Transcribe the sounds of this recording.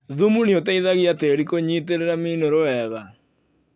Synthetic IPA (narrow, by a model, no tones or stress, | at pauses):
ðumuniotaiðaɣiateɾikoɲiteɾeɾaminoɾoɛða